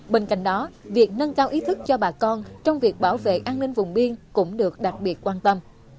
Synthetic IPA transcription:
ɓeː˧nka̰˧˨jŋ̟ɗɔ˨˦vi˨˩ək̚nə˧nkaː˧wʔi˨˦t̪ʰɨ˦˥k̚t͡ɕɔ˧ɓaː˨˩kɔ˧nt͡ɕɔ˧wŋ͡mvi˨˩ək̚ɓaː˧˩wvḛ˧˨ʔaː˧nnï˧ŋ̟vʊ˨˩ŋ͡mɓi˧ənkʊ̰˧˥ŋ͡mɗɨ˨˩ək̚ɗa˨˩t̚ɓi˨˩ət̚kwaː˧nt̪ə˧m

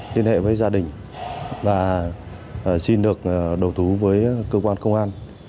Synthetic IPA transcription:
li˧ənhɛ̰˧˨vəː˨˦jzaː˧ɗï˨˩ŋ̟ | vaː˨˩˨ | si˧nɗɨ˨˩ək̚ːɗə˨˩wt̪ʰu˨˦vəː˨˦jkəː˧kwaː˧nkə˧wŋ͡mʔaː˧n

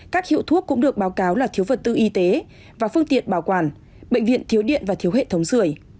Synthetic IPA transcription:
kaː˦˥k̚hḭ˧˨əwt̪ʰu˦˥əkːʊ̰˧˥ŋ͡mɗɨ˨˩ək̚ɓaː˨˦wkaː˨˦wlaː˨˩t̪ʰi˨˦əwvə˨˩t̚t̪ɨ̰˧˨ʔi˧t̪e˨˦ | vaː˨˩fɨ˧əŋt̪ḭ˧˨ənɓaː˧˩wkwaː˧˩n | ɓḛ˧˨ŋ̟vḭ˧˨ənt̪ʰi˨˦əwɗḭ˧˨ənvaː˨˩t̪ʰi˨˦əwɦḛ˧˨t̪ʰə˨˦wŋ͡msɨ˧˩əj

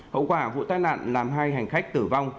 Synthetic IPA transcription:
hə̰˧˨wkwaː˧˩vṵ˧˨t̪aː˧jna̰ː˧˨nlaː˨˩mɦaː˧jɦa˨˩jŋ̟xa˦˥jk̟̚t̪ɨ˧˩va˧wŋ͡m

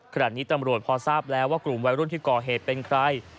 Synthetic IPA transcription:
kʰa˧naː˨˩t̪̚niː˦˥t̪a˧mɾu˨˩ət̪̚pʰɔː˧saː˥˩p̚lɛː˦˥waː˥˩klu˨˩mwa˧jɾu˥˩˨nt̪ʰiː˥˩kɔː˨˩ɦeː˨˩t̪̚pe˧nkʰɾa˧j

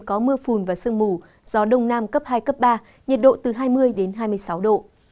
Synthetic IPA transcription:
kɔ˨˦mɨ˧əfu˨˩nvaː˨˩sɨ˧əŋmu˨˩ | z̥ɔ˨˦ɗə˧wŋ͡mnaː˧mkə˦˥p̚haː˧jkə˦˥p̚ɓaː˧ | ɲə˨˩t̚ɗo̰˧˨t̪ɨ˨˩ɦaː˧jmɨ˧əjɗe˨˦nɦaː˧jmɨ˧əjsa˨˦wɗo̰˧˨

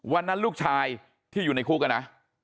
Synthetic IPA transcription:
wa˧nːa˦˥nluː˥˩k̚t͡ɕʰaː˧j | t̪ʰiː˥˩juː˨˩na˧jkʰuː˥˩ka˧nːa˦˥

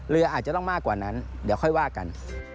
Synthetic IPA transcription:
ɾɯ˧ʔaː˨˩t̪̚t͡ɕa˨t̪ɔ˥˩ŋmaː˥˩kwaː˨˩na˦˥ndi˨˦kʰɔ˥˩jwaː˥˩ka̰˨n

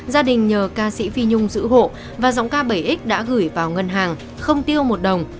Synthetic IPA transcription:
zaː˧ɗï˨˩ŋ̟ɲəː˨˩kaː˧sḭ˧˥fi˧ɲʊ˧ŋ͡mzɨ̰˧˥ɦo̰˧˨ | vaː˨˩zɔ̰˧˥wŋ͡mkaː˧ɓə˧˩jʔi˦˥k̟̚ɗa̰ː˧˥ɣɨ˧˩jvaː˨˩wŋə˧nɦaː˨˩ŋ | xə˧wŋ͡mt̪i˧əwmo˨˩t̚ɗə˨˩wŋ͡m

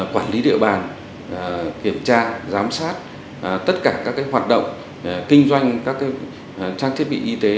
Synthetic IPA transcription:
kwaː˧˩nli˨˦ɗḭ˧əɓaː˨˩n | ki˧˩əmt͡ɕaː˧zaː˨˦msaː˦˥t̚ | t̪ə˦˥t̚kaː˧˩kaː˦˥kːaː˨˦jɦwaː˨˩t̚ɗə̰˧˨wŋ͡m | kï˧ŋ̟zwa˧jŋ̟kaː˦˥kaː˨˦ | t͡ɕaː˧ŋt̪ʰi˦˥ət̚ɓḭ˧˨ʔi˧t̪e˨˦

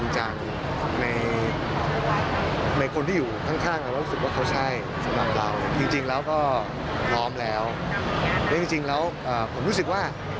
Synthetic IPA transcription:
nt͡ɕa˧ŋ | na˧j | na˧jkʰo˧nt̪ʰiː˥˩juː˨˩kʰa˥˩ŋkʰaː˥˩ŋɾa˧wɔ˥˩u˦˥sɯ˨˩k̚waː˥˩kʰa˦˥wt͡ɕʰa˥˩j | sa˧mla˨˩p̚ɾa˧wla˧˩t͡ɕi˧ŋt͡ɕi˧ŋlɛː˦˥wkɔː˥˩ | pʰɔː˦˥mlɛː˦˥w | lɛ˦˥t͡ɕi˧ŋt͡ɕi˧ŋlɛː˦˥wʔɤː˨˩pʰo˩˦ɾu˦˥sɯ˨˩k̚waː˥˩

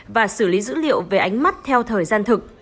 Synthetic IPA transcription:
vaː˨˩sɨ˧˩li˨˦zɨ̰˧˥lḭ˧˨əwve˨˩ʔa˨˦jŋ̟ma˦˥t̚t̪ʰɛ˧wt̪ʰəː˨˩jzaː˧nt̪ʰɨ˨˩k̚

